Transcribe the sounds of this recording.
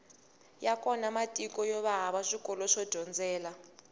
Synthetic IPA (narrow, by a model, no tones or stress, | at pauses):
jakʼɔnamatʼikʼɔjɔβaɦaβaʂikɔlɔʂɔd̥d̥ʱɔnd͡zɛːla